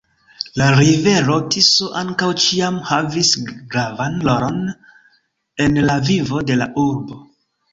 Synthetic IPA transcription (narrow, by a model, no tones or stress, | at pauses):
laɾive̞ɾo̞tisoʔaŋkawt͡ʃiamhavisɡɾavanloɾo̞n | e̞nlavivo̞de̞la̰ʔuɾbo̞